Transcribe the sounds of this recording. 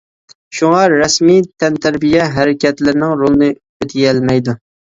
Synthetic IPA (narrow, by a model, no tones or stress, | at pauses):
ʃuŋɑɾɛsmit̪ʰɛnt̪ʰæɾbijɛɦæɾɪkʲɛt̪lɪɾnɪŋɾolˠɨnɨ | øt̪ʰɡɛlmɛjd̪u